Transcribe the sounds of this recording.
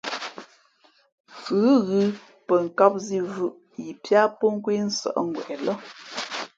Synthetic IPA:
fʉ˨˦ɣɯ˦ | pə˨ŋ̩˨ka˦p̚zi˦vʉ˦ʔ | ji˨pja˦po˦ŋ˦kwi˦n̩˦sə̰˨ʔŋ̩˨ɡwɛ̰˨ʔɛ˨lɔ˦

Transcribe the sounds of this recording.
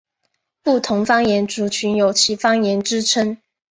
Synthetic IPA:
pu˥˩t̪ʰʊ˧˥ŋfɑ˥ŋjɛ˧˥nʈ͡ʂu˨˥t͡ɕʰy˧˥njo˨˩ʊt͡ɕʰi˧˥fɑ˥ŋjɛ˧˥nʈ͡ʂɻ̩˥ʈ͡ʂʰə˥ŋ

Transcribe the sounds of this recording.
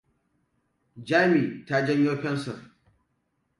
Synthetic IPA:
d͡ʒaː˦miː˨ta˦d͡ʒɐ˦ɲjo˦ɸɛ˦nsɔ̰˨r

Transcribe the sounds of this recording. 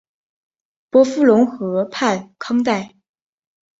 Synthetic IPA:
pwɔ˧˥fu˥lʊ˧˥ŋxɤ˧˥pʰa˥˩nkʰɑ˥ŋt̪̬a˥˩ɪ

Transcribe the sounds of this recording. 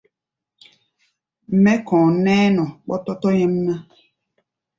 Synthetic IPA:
m̩˨˦mɛ̃˦kɔ̃ː˨nɛ̃ː˦nɔ̃˨k͡pɔ˦tɔ˦tɔ˦ɲɛ̃˦m˦nã˦

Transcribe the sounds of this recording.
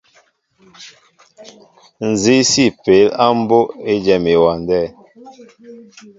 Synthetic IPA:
n̩˨zi˦si˦˨pe˨˦la˦m̩˦bo˦e˦d͡ʒɛ˦˨me˨wa˨ndɛ˦˨

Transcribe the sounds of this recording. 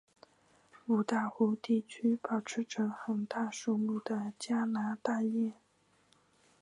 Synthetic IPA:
u˨˩t̪a˥˩xu˧˥t̪i˥˩t͡ɕʰy˥pɑ˨˩ʊʈ͡ʂʰɻ̩˧˥ʈ͡ʂʰɤ˧˥ŋxə˨˩nt̪a˥˧ʂo˥˧lu˥˩d̪ə˩t͡ɕja˥na˧˥t̪a˥˧jɛ˥˩

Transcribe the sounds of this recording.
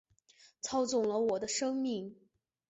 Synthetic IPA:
t͡sʰɑ˥ʊt͡sʊ˨˩ŋlə˦wɔ˨˩d̪ə˦ʂɤ˥ŋmi˥˩ŋ

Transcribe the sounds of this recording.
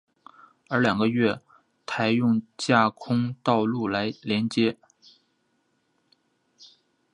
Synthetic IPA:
ə˞˧˥ljɑ˨˩ŋɡə˧˦ɥɛ˥˩ | t̪ʰa˧˥ɪjʊ˥˧ŋt͡ɕja˥˩kʰʊ˥ŋt̪ɑ˥˧ʊlu˥˩la˧˥ɪljɛ˧˥nt͡ɕjɛ˥

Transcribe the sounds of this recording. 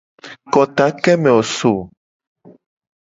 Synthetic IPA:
kɔ˨t̪a˨˦kɛ˦mɛ̃˨o˨so˨

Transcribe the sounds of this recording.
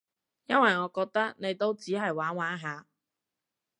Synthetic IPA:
jɐ˥nwɐ˨jŋɔː˨˧kɔː˧k̚t̪ɐ˥k̚ne˨˧jt̪o˥wt͡siː˨˥ɦɐ˨jwaː˨˥nwaː˨˥nɦaː˨˧

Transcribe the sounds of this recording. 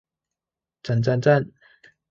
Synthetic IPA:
t͡sa˨˩nt͡sa˥˧nt͡sa˥˧˨n

